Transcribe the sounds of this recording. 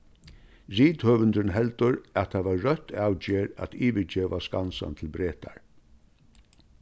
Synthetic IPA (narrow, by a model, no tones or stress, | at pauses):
ziːt̪høːʋɪnt̪ənɦɛlt̪əɾæt̪ʰaʋaɹːœt̪ʰːaːwd͡ʒeːɾæ̰t̪iːʋɪd͡ʒeːʋaskansa̰nt̪ʰɪlbɾeːt̪ʰa̰ɹ